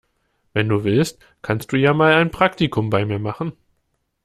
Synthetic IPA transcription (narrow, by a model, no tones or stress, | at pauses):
vɛnduːvɪlst | kʰanst̚d̥uːjaːmaːlaɪnpʁ̥aktikʰʊmbaɪmiːɐmaχn̩